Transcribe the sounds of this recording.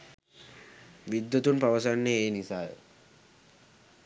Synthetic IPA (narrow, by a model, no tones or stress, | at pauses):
ʋid̪jut̪unpaʋɐsanːeeːnisaj